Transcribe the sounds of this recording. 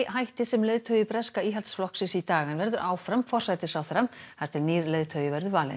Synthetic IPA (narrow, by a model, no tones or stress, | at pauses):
ɦajht̪ɪsɛmlœːðt̪ʰœɥjʏpɾɛskaiːɦalt̪sflɔksɪsit̪aːɣanvɛɾðʏɾʔaːwfɾamfɔr̥sajt̪ɪsawθɛɾahaɾt̪ʰɪlniːɾlœɥðt̪ʰœːɥjʏvɛɾðʏɾvaːlɪ̰n